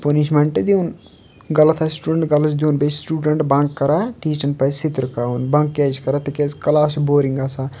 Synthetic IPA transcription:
pɐniʃmeɳʈd̪iun | ɡɐlɐt̪ʰasʈuːɖəɳʈɡɐlɐd͡ʒd̪iunbet͡ʃsʈuːɖɐɳʈbɐŋkːɐɾaʈiːt͡ʃɐnpɐsit̪ɾkaːunbɐŋkːeːd͡ʒkɐɾat̪ɐkeːskɐlaːsboːɾiŋɡasaː

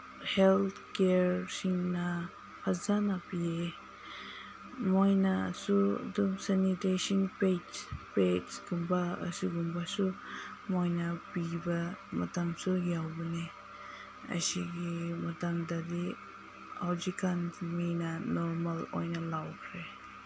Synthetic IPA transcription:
helt̪ʰkeɾsiŋnɐ | pʰazanapie | mojnasṵdumsanitesinpetpetɡ̥umbaə̰siɡumbasumojnɐpibɐmɐtaŋsujawbɐne | ɐ̰siɡimɐtaŋdadi | hawzikanminɐnɔɾmalo̰jnɐlawkʰɾe

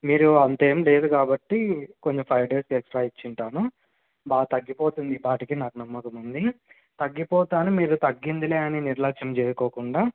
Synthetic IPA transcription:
miːɾuɐnt̪eːmle̞ːd̪ukaːbɐʈːikoɲt͡ʃepʰɐjʋɖe̞ːskeksʈɾaːit͡ʃːiɳʈaːnu | baːt̪ɐɡːipoːt̪und̪ibaːʈikinaːkunɐmːɐkumund̪i | t̪ɐɡːipɔːt̪aːnumiːɾut̪ɐɡːind̪ileːɐniniɾlɐkʃɐmt͡ʃɛːjɐkɔːkuɳɖaː

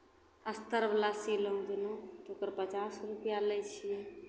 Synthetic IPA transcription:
əst̪əɾblaːsiləũd̪ɪnõt̪ʰokəɾpət͡ʃaːsɾupjalet͡ʃʰije

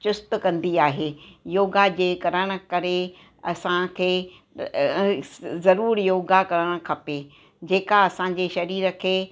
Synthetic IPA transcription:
t͡ɕʊst̪kɐ̃nd̪iaːɦejoːɡad͡ʑeːkɐɾəɽ̃ʊ̆kɐɾe | ɐsãkʰeː | zɐɾuːɾjoːɡakɐɾəɽ̃ə̆kʰɐpeː | d͡ʑeːkaɐsãːɲ̆d͡ʑeːʃɐɾiːɾə̆kʰeː

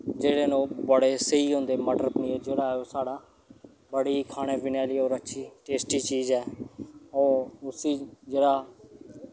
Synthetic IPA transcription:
d͡ʒeːɽeːnõːbəɽeːsəiːɦõːnd̪eːməɖəɾpniːd͡ʒeːɽaːoːsaːɽaː | bəɽiːkʰaːñeːʋɪnɛːliːoːɾətːʃʰiːʈeːsʈiːt͡ʃiːzɦɛːoːʊsiːd͡ʒeːɽaː

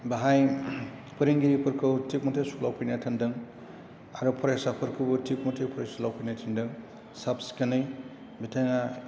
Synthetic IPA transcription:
baɦaj | pɯɾiŋɡiɾipʰɯɾkʰɯwtʰik̚mɐtʰesulawpʰɯjnatʰɐndɯŋ | aɾupʰɔɾajsapʰɯɾkʰɯbɯtʰik̚mɐtʰepʰɔɾasulawpʰajnatʰindɯŋ | sap̚si̥kɐnɯj | bitʰaŋa

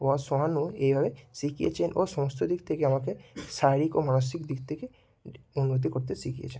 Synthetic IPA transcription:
oasɔɦanuebʱabesikijḛt͡ʃʰenʔosɔmɔst̪ʰod̪ikt̪ʰekeamakesaɾikomanos̬ikd̪ikt̪ʰeke | unːot̪̬ikoɾt̪esikijḛt͡ʃʰen

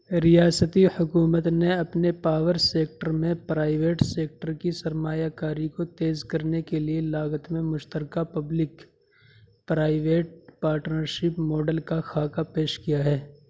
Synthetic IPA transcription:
ɾijaːsət̪ihʊkuːmət̪neɐpnepaːʋəɾseːk̚ʈəɾmẽpɾaːɪʋeːʈseːk̚ʈəɾkisɐɾmaːjakaːɾikot̪eːzkɐɾnekelielaːɡət̪mẽmʊʃt̪əɾkapɐblɪk | pɾaːɪʋeːʈ̚paːɾʈnəɾʃɪpmɔːɖəlkaxaːkapeːʃkijaɦɛː

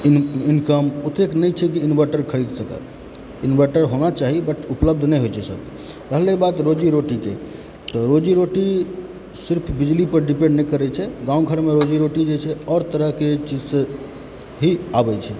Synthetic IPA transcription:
inkəmut̪eknɛjt͡ʃʰɛkiːnbəɾʈəɾkʰəɽid̪səkɛ̰ | inbəɾʈəɾɦonat͡ʃaɦibəʈʰupləb̚d̪ʱnɛjɦojt͡ʃʰɛsə̰k | ɾəɦlebat̪ɾod͡ʒiɾoʈike | t̪ɔɾod͡ʒiɾoʈi | siɾpʰbid͡ʒlipəɾɖipẽɳɖnəjkəɾɛt͡ʃʰɛɡãũɡʱəɾmeɾod͡ʒiɾoʈid͡ʒet͡ʃʰɛɔːɾt̪əɾəɦket͡ʃid͡ʒsẽ | ɦiabɛt͡ʃʰɛ

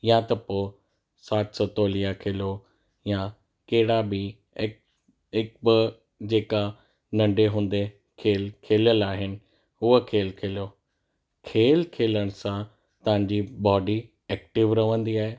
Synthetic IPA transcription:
jat̪ɐpoː | saːt̪sɔt̪oːlijãkʰeːlo | ja | kɐɦɪɽabɪ | ɦɪk̚bɪ | d͡ʑeːka | nɐ̃ɳɖeɦũːn̆d̪e | kʰeːlkʰeːləlaːɦɪnɪ̆ | ʊɦəkʰeːlkʰeːljoː | kʰeːlkʰeːləɽ̃ʊsã | t̪ɐʋ̤ãɲd͡ʑiːbɔːɖi | ɛːk̚ʈɪʋɾɐʋə̃nd̪iaːɦeː

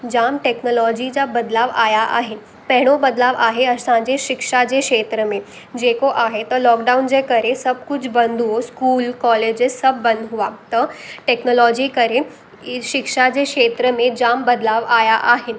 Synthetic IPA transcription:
d͡ʑamʈeknolɔd͡ʑid͡ʑabəd̪laʋajaʔa̰ɦin | pɛɦɽ̃obəd̪laʋaɦeəssãd͡ʑeʃikʂad͡ʑekʂet̪ɾəme | d͡ʑekoʔaɦet̪əlɔkɖaund͡ʑekəɾesəb̚kut͡ɕʰbənd̪ʱuʋoskuːlkɔled͡ʑesəbːənd̪ɦuʋat̪əʈeknolɔd͡ʑiːkəɾe | ɕikʂad͡ʑeʂet̪ɾəmẽd͡ʑambəd̪laʋajaʔaɦin

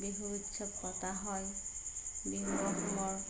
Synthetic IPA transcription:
beɦuutːʃʰɔpːɔt̪aɦɔj | beɦubɔɦɔmɔɹ

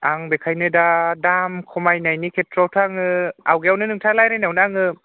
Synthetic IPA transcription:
aŋbekʰajnɯdadamkʰɔmajnajnikʰetʰɾɔwtʰaŋɯawɡeawnɯnɯŋtʰalajɾajnawnɯaŋɯ

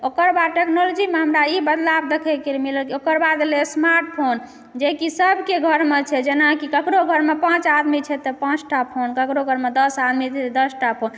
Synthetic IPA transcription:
okəɾbad̪̚ʈeknolod͡ʒimeɦəmɾaibəd̪lab̚d̪ekʰekemiləlkiokəɾbad̪lesmaɾʈ̚pʰon | d͡ʒekisəbʱkeɡʱəɾmet͡ʃʰɛd͡ʒenakikəkɾoɡʱəɾmepãt͡ʃad̪mit͡ʃʰɛt̪ɔpãt͡ʃʈapʰonkəkɾoɡʱəɾmed̪əsad̪mit͡ʃʰɛt̪d̪əsʈapʰon

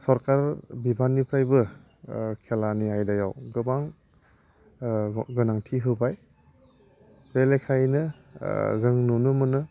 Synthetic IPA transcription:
sɔɾkaɾbibʱanːipʰɾajbɯ | kʰelaniajdaja̰wɡɯbaŋ | ɡɯnaŋtʰiɦɯbaj | belekʰajnɯ | zɯŋnunɯmɯnɯ

